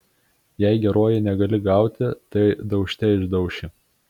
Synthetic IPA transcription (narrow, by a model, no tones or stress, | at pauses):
jɛɪɡʲɛɾoːjɛnʲɛɡɐlʲɪɡɑˑʊt̪ʲɪt̪ɐɪd̪ɒʊʃʲt̪ʲɛɪʒd̪ɐʊʃʲɪ